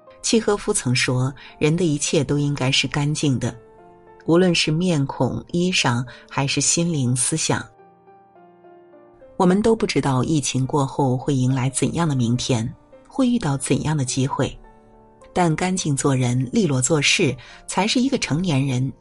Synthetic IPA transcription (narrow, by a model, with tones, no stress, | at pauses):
t͡ɕʰi˥˩xɤ˥fu˥t͡sʰɤ˧˥ŋʂwɔ˥ɻə˧˥nd̪ə˧i˧˥t͡ɕʰjɛ˥˩t̪o˥ʊi˥ŋka˥ɪʂɻ̩˥˩ka˥nt͡ɕi˥˩ŋd̪ə˩ | u˧˥lwə˥˧nʂɻ̩˥˧mjɛ˥˩nkʰʊ̰˨˩ŋi˥ʂɑ˨˩ŋxa˧˥ɪʂɻ̩˥˩ɕi˥nli˧˥ŋsɹ̩˥ɕjɑ̰˨˩˦ŋ | wɔ˨˩mə˧nt̪o˥ʊpu˥˩ʈ͡ʂɻ̩˥t̪ɑ˥˧ʊʔi˥˩t͡ɕʰi˧˥ŋkwɔ˥˧xo˥˧ʊxwe˥˩ɪi˧˥ŋla˧˥ɪt͡sə̰˨˩njɑ˥˩ŋd̪ə˩mi˧˥ŋt̪ʰjɛ˥nxwe˥˧ɪy˥˧t̪ɑ˥˩ʊt͡sə˨˩njɑ˥˩ŋd̪ə˩t͡ɕi˥xwe˥˩ɪ | t̪a˥˩nka˥nt͡ɕi˥˧ŋt͡swɔ˥˩ɻə˧˥nli˥˧lwɔ˥˧t͡swɔ˥˧ʂɻ̩˥˩t͡sʰa˧˥ɪʂɻ̩˥˩i˧˥ɡə˧ʈ͡ʂʰɤ˧˥ŋnjɛ˧˥nɻə˧˥n